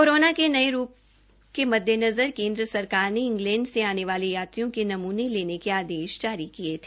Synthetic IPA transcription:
kkoːɾoːnakenɐeɾuːp̚ | kemɐd̪ʱjənɐzəɾkẽːnd̪ɾəsɐɾkaːɾneɪ̃ŋɡlɛ̃ːɳɖseaːneʋaːlejaːt̪ɾijõkenɐmuːneleːnekeaːd̪eːʃd͡ʒaːɾikiet̪ʰeː

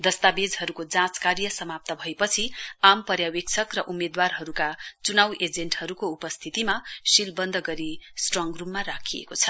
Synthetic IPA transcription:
d̪ʌst̪abed͡zɦʌɾukod͡zãt͡skaɾijʌsʌmap̚t̪ʌbʱʌepʌt͡sʰiampʌɾjawek̚t͡sʰʌkrʌʔumːed̪warɦʌɾukat͡sunawʔed͡zeɳʈhʌɾukoupʌst̪ʰit̪imasilbʌnd̪ʱʌɡʌɾisʈrʌŋɡrubmaɾakʰiḛkot͡sʰʌ̥

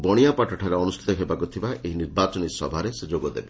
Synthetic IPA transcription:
bɔɽ̃ijapaʈʰɔʈʰaɾeɔnustʰi̥t̪ɔɦebakut̪ʰibaʔeɦiniɾbat͡ʃɔnisɔ̰bʱaɾesed͡ʒoɡɔd̪ḛbe

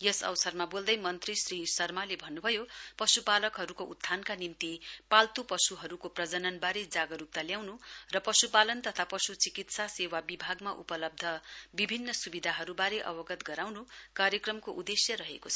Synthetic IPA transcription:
jʌsʌ̰wsʌrmabold̪ʌjmʌnt̪risrisʌrmalebʱʌnːubʱʌjopʌsupalʌkɦʌɾukoud̪ʰʱːankanimt̪ipalt̪upʌsuɦʌɾukoprʌd͡zʌnʌnbaɾed͡zaɡʌɾup̚t̪aljawnurʌpʌsupalʌnt̪ʌt̪ʰapʌsut͡sikit̪sasewabibʱaɡmaʔupʌlʌb̚d̪ʱʌbibʱinːʌsubid̪ʱaɦʌɾubaɾeʔʌ̰bʌɡʌt̪ɡʌɾawnukaɾjʌkrʌmkoʔud̪esjʌrʌɦekot͡sʰʌ

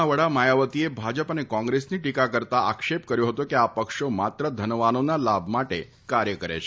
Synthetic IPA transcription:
aʋəɽamajaʋət̪ijebʱad͡ʒəpanekɔ̃ŋɡɾesniːʈikakəɾt̪aʔakʂep̚kəɾjoɦot̪okiapəkʂomat̪ɾəd̪ʱənʋanonalabmaʈe | kaɾjəkəɾa̰t͡ʃʰe

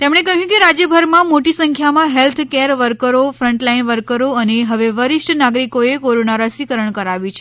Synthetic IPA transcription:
t̪emɳ̃ekəɦjũkeɾad͡ʒjəbʱəɾmãmoʈisəŋkʰjamãɦelt̪ʰkeɾʋəɾkəɾofɾəɳʈlainʋəɾkəɾoəneɦəʋeʋəɾɪʃʈnaɡɾikoekoɾonaɾəsikəɾəɳkəɾaʋit͡ʃʰe

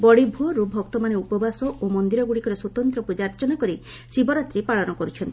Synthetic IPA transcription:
bɔɽibʱuɔɾubʱɔk̚t̪ɔmaneupɔbasɔomɔnd̪iɾɔɡuɽikɔɾeswot̪ɔnt̪ɾɔpud͡ʒaɾt͡ʃɔnakɔɾi | sibɔɾat̪ɾipaɭɔnɔkɔɾut͡ʃʰɔnt̪i

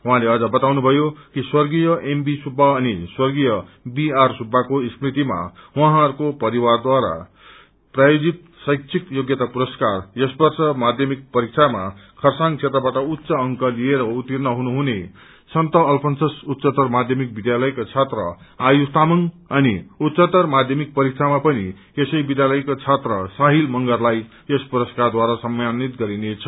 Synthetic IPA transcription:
ɦũɦãleʌd͡zʌbʌt̪awnubʱʌjokiswʌrɡijʌʔembisubʱːaːniswʌrɡijʌbiarsubʱːakoist̪rit̪ima̰waɦãʌɾkopʌɾiward̪waɾa̰ | prajod͡zit̪ | sʌjksʰikjoɡjʌt̪apuɾʌskarjʌsbʌrsʌmad̪ʱjʌmik̚pʌɾik̚t͡sʰama̰kʰʌrsaŋkt͡sʰet̪rʌbaʈʌut̪ːsʌːŋkʌlieɾʌut̪irnʌɦunuɦune | sʌnt̪ʌːlpʰʌnsʌsut̪ːsʌt̪ʌrmad̪ʱjʌmik̚bid̪jalʌjkot͡sʰet̪rʌ̰ajust̪amʌŋ | ʌniut̪sʌt̪ʌrmad̪ʱjʌmik̚pʌɾik̚t͡sʰamapʌnḭ | esʌjbid̪jalʌjkot͡sʰet̪rʌsaɦilmʌŋɡʌrlaj | ʌspuɾʌskard̪waɾasʌmjanit̪ɡʌɾinet͡sʰʌ̥

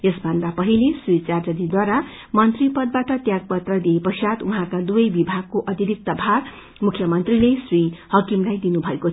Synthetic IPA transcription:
esbʱʌnd̪apʌɦilesrit͡sard͡zʌd̪id̪waɾa | mʌnt̪ripʌd̪̚baʈʌt̪jaɡ̚pʌt̪rʌd̪iepʌsjat̪uɦãkad̪ubʌjbibʱaɡ̚koʔʌt̪iɾik̚t̪ʌbʱaɾ | mukʰjʌmʌnt̪rilesrihʌkimlajd̪inubʱʌeko

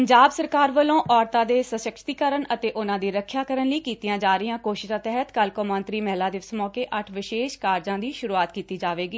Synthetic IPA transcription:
pəɲd͡ʒaːbsəɾkaːɾʋəlõːʔɔːɾt̪ãːd̪eːsəsʃəkʰɾt̪iːkəɾənət̪eːʔʊnãːd̪iːɾəkʰːjaːkəɾənləiːkiːt̪ijãːd͡ʒaːɾɪjãːkoːʃɪ̥ʃãːt̪ɛɦət̪kəlkõːmə̃nt̪ɾiːmɛɦlaːd̪eːʋsmɔːkeːʔəʈʰʋɪʃeːʃkaːɾd͡ʒãːd̪iːʃʊɾuːaːt̪kiːt̪iːd͡ʒaːʋeːɡiː

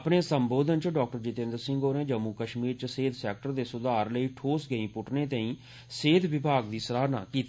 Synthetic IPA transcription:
pɳẽːsəmboːd̪ənt͡ʃəɖɔːk̚ʈəɾd͡ʒɪt̪ẽnd̪əɾsɪ̃ŋɡɦoːɾẽːd͡ʒəmːuːkəʃmiːɾt͡ʃəseːd̪sɛːkʈəɾd̪eːsʊd̪aːɾləiːʈʰoːsɡəĩːpʊʈnẽːt̪əĩː | seːd̪ʱʋɪbʱaːɡ̚d̪iːsəɾaːɾna̰ːkiːt̪

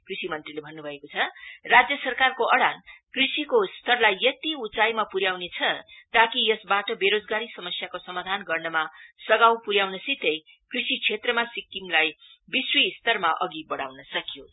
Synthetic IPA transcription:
krisimʌnt̪rilebʱʌnːubʱʌekot͡sʰʌrad͡zjʌsʌrkarkoʔʌɽankrisikost̪ʰʌrlajːʌt̪iut͡sajmapuɾjawnet͡sʰʌt̪akijʌsbaʈʌbeɾod͡zɡaɾisʌmʌsjakosʌmad̪ʱanɡʌrnʌmasʌɡawpuɾjawnʌsit̪ʌj | krisit͡sʰet̪rʌmasik̚imlajbiswist̪ʰʌrmaʔʌɡibʌɽa̰wnʌsʌkjo

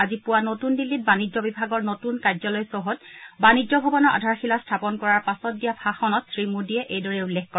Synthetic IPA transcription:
azipʊwanotundilːit̚banid͡ʒɔbibʱaɡɔɹnotunkazɔlɔjsɔɦɔtbaniɔbʱɔbɔnɔɹʔa̰dʱaɹxilastʰapɔnkɔɹaɹpasɔtdijapʰaxɔnɔtsɹimudiɛʔejdɔɹɛulːexkɔ

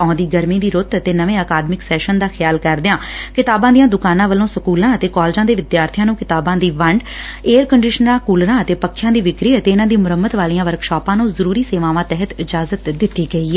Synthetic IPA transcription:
ɔ̃ːd̪iːɡəɾmĩːd̪iːɾʊt̪ət̪eːnəʋẽːəkaːd̪mɪksɛːʃənd̪aːxʰɪjaːlkəɾd̪ɪjãːkɪt̪aːbãːd̪ijãːd̪ʊkaːnãːʋəlõːsəkuːlãːət̪eːkɔːld͡ʒãːd̪eːʋɪd̪jaːɾt̪ʰɪjãːnũːkɪt̪aːbãːd̪iːʋəɳɖeːɾkəɳɖɪːʃənɾãːkuːlɾãːət̪eːpəkʰːjãːd̪iːʋɪkɾiːət̪eːɪnãːd̪iːmʊɾəmːət̪ʋaːlijãːʋəɾkʃɔːpãːnũːzəɾuːɾiːseːʋãːʋãːt̪ɛɦət̪ɪd͡ʒaːzət̪d̪ɪt̪ːiːɡəiːɛː

